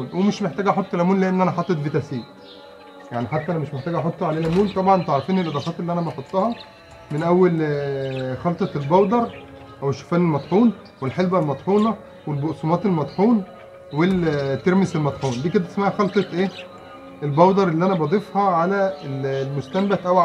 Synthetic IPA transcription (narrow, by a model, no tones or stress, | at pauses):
nwemeʃmeħt̪æːɡʔɑħot̪ˤːelʔæmuːnleʔenːʔænæħɑt̪ˤːet̪vet̪æsiː | jaʕniħat̪ːæʔænæmeʃmeħt̪æːɡʔɑħot̪ˤːɑʕaleːlʔæmuːnt̪ˤɑbʕɑnt̪eʕɾˤɑfiːnelʔɑd̪ˤɑːfɑːt̪elːiʔænæbɑħot̪ˤːɑhɑ | menʔæwːæl | xɑlt̪ˤɑt̪elbɑwd̪ˤɑɾˤ | ʔæweʃːo̥fæːnelmɑt̪ˤħuːn | welħelbælmɑt̪ˤħuːnɑ | welboʔsˤumɑːt̪elmɑt̪ˤħuːn | wet̪ːeɾmeselmɑt̪ˤħuːnd̪iːked̪æt̪esmaʕhæxɑlt̪ˤɑt̪ˤʔeː | ʔelbɑwd̪ɑɾˤelːiʔænæbɑd̪ˤefhɑʕalæellmost̪æmbæt̪ʔæwʕ